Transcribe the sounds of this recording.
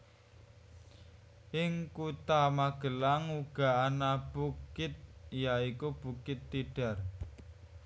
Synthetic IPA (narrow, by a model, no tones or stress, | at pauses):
ʔɪŋkut̪amaɡ̥ə̤laŋuɡ̥a̤anab̥ukɪt̪̚jaikub̥ukɪt̪ːiɖ̥a̤r